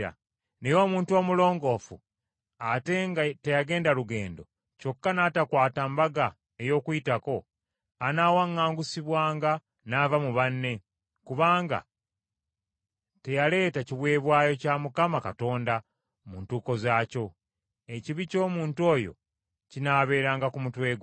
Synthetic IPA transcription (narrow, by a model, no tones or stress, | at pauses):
a̰ | nejo̞ːmuːntuo̞ːmulo̞ːŋɡo̞fu | ateŋate̞jaɡe̞ːndaluɡe̞̰ːndo̞ | co̞kːanaːtakwaːtambaɡa | e̞jo̞ːkuitako̞ | anaːwaŋːaːŋɡusiβwaːŋɡa | navamuβanːe̞ | kuβaːŋɡa̰ | te̞jale̞ːtaciβwe̞ːβwaːjo̞camukamaka̰to̞ːnda | muntuːko̞zaːco̞ | eciβico̞ːmuːntuo̞ːjo̞̰ | cinaːβe̞ɾaːŋɡakumutwe̞ːɡ